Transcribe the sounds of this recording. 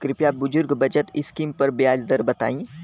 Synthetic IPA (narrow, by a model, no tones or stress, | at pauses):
kɾɪpjaːbʊd͡ʒʊɾɡbɐd͡ʒət̪ɪ̰skiːmpɐɾbjaːd͡ʒd̪əɾbɐt̪a̰ːĩː